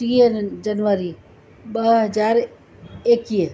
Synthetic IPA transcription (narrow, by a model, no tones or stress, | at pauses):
iəd͡ʒənʋəɾi | bəɦɦəd͡ʒaːɾ | eki